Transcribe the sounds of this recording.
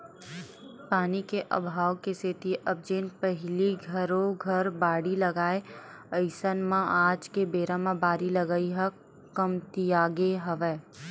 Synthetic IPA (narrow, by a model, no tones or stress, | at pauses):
paːnikeʔɐ̰bʱaːwkeseːt̪iʔɐb̚d͡ʒeːnpɛɦliɡʱɐɾõɡʱɐɾbaːɽilɐɡaːe | əɪsənmãʔaːd͡ʒkebeːɾamãbaːɾilɐɡaiɦɐ | kəmt̪ijaːɡeɦɐʋɛː